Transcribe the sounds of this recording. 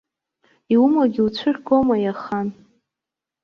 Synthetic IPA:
iwumaɡʲiwt͡ɕʷʰɨrʲɡomajaχan

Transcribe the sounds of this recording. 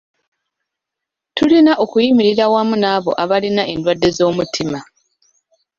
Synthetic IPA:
tulinaʔo̞kujimiɾiɾawamunaːβo̞̰ʔaβalinaʔe̞ndwadːe̞zo̞ːmutʰima

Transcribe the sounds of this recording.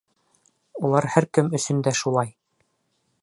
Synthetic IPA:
ulˠɑɾhæɾkɘmɵ̆sɵ̆nd̪æʃulˠɑj

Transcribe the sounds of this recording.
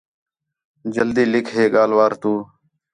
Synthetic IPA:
d͡ʒəld̪iːlɪkʰɦeːɠaːlʋaːɾt̪uː

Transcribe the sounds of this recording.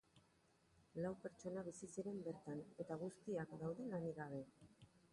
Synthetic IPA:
lawpeɾt͡ʃo̞naβisisiɾe̞mbe̞ɾt̪ane̞t̪aɣ̞ust̪iakd̪awðe̞laniɣaβe̞

